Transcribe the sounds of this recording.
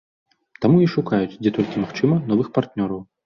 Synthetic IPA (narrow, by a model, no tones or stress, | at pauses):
t̪amuiʂukajut͡sʲd͡zʲɛt̪ɔlʲkʲimaxt͡ʂɨmɐnɔvɨxpart̪nʲɔɾɐw